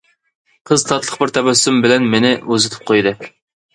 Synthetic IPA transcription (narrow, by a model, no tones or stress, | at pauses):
qʰəzt̪ʰɑt̪lˠəqbɪɾt̪ʰɛbɛsymbɪlɛnmenɪøzɪt̪ʰɪ̥p̚qʰojd̪ɨ